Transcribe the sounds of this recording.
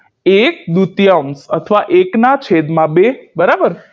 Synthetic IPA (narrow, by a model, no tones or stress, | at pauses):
ek̚d̪ut̪jəmsə̰t̪ʰəʋaʔeknat͡ʃʰed̪mãbebəɾabəɾ